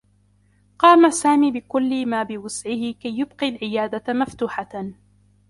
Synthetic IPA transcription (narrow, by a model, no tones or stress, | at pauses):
qɑːmasaːmiːbɪkʊlːɪmaːbɪwʊsʕɪhɪkajːʊbqilʕɪjaːd̪amaft̪uːħa